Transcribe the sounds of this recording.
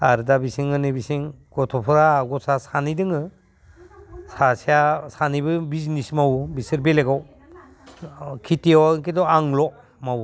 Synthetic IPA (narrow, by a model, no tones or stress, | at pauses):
aɾdabisiŋɯnibisiŋɡ̥ɔtʰɔpʰɔɾaːɡɔsasanidɯŋɯ | sasijasanibɯbiznismawbisɯɾbeleɡaw | kʰitiawŋkedɔaŋlɔ | maw